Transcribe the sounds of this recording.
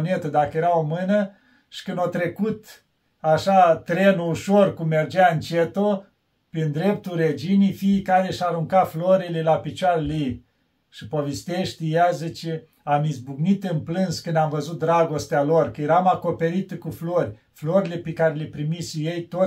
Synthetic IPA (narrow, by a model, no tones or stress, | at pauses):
ne̞t̪əd̪akəjeɾaomɨnə | ʃi̥kɨnd̪ot̪ɾe̞kut̪ | aʃat̪ɾenuuʃorkumːe̞rd͡ʒaɨnt͡ʃet̪o | pɾind̪ɾe̞pt̪ulred͡ʒinijfiːkaɾeʃaɾuŋkafloɾilelapit͡ʃaɾəlej | ʃipovest̪eʃt̪ʲjazət͡ʃe | amizbuɡnit̪ɨnplɨnskɨnd̪amvəzut̪̚d̪ɾaɡo̞st̪ealorkəjeɾamako̞pe̞ɾit̪kuflorʲ | flo̞ɾilepekaɾelepɾimisjejt̪o